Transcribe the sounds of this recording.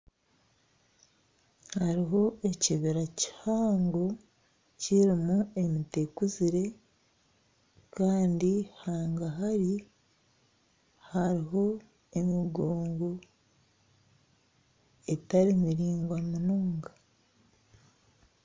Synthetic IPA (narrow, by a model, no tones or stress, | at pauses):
haɾiɦo̞eciβiɾaci̥haːŋɡo̞ | ciɾimue̞mite̞kuziɾe̞ | kaːndihaːŋɡaɦaɾi | haɾiɦo̞ | e̞miɡoːŋɡo̞ | e̞taɾimiɾiːŋɡwamunuːŋɡa